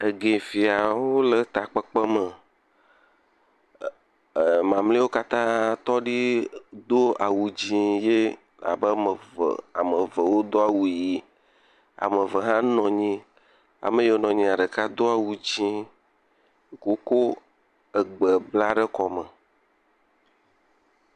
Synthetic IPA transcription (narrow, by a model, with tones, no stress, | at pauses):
e˨ɡe˨fi˨a˨wo˦lə˨t̪a˨k͡pə˦k͡pə˦mə˨ | mã˨mlĩ˦wo˦ka˦t̪ã˦t̪ɔ˦ɖi˦d̪o˦a˨wu˨d͡ʑĩ˦je˦ | la̰˨bə˦mə˨v̰a̰˨mə˨və˨wo˦d̪o˦a˨wu˨ji˦ | a̰˨mə̃˨və˨ɦã˦nɔ̃˨ɲĩ˦ | a̰˨mə̃˦jo˨˦nɔ̃˨ɲĩ˨a˨ɖə˨ka˦d̪o˦a˨wu˨d͡ʑĩ˦˨ | ko˦ko˦ | ə˨ɡ͡bə˨bla˦ɖə˦kɔ˨mə̃˨